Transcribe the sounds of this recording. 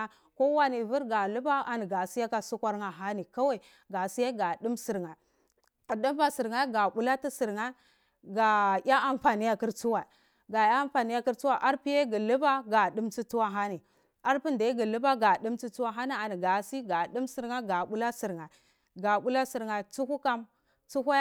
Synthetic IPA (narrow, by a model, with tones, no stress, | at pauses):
ko˦wa˦ni˨vu˦ɾɡa˨lu˦ba˦a˨ni˨ɡa˨si˦ja˦ka˦su˦kʷa˦ɾŋa˨ɦa˦ni˨ka˦wa˦˨ | ɡa˨si˦ja˦ɡa˨di˦msi˨ɾŋa˨ | a˨du˦m˦ba˨si˨ɾŋa˦ɡa˨bu˦la˦ti˦si˨ɾŋa˦ | ɡa˨ja˦ʔa˦˨mfa˨ni˦ja˦ki˦ɾt͡su˦wa˨ | ɡa˨ja˦a˦mfa˨ni˦ja˦ki˦ɾt͡su˦wa˦˨ʔa˦ɾpi˦je˦ɡi˨lu˦ba˦ɡa˨ɗi˦mt͡ʃi˦tu˦wa˦ɦa˦ni˨ | a˦ɾpi˦nda˨i˦ɡi˨lu˦ba˦ɡa˨di˦mt͡ʃi˦tu˦wa˦ɦa˦ni˦a˨ni˨ɡa˨si˦ɡa˨ɗi˦msi˨ɾŋa˦ɡa˨ɓu˦la˦si˨ɾŋa˨ | ɡa˨ɓu˦la˦si˨ɾŋa˨t͡su˦ku˦ka˦m | t͡su˦ka˦